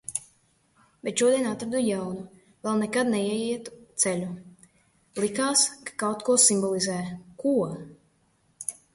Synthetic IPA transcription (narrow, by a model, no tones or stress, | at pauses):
bʲet̪ʃuɔd̪iɛnat̪ɾad̪ujawnu | lˠalnɛkad̪nɛiɛjiɛt̪u̥t̪sɛlʲu | lˠikaːskḁkawt̪kuɔsimbɔlˠizæːkuɔ